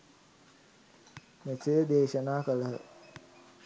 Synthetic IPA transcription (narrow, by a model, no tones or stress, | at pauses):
mesejəd̪eːʃənaːkələɦə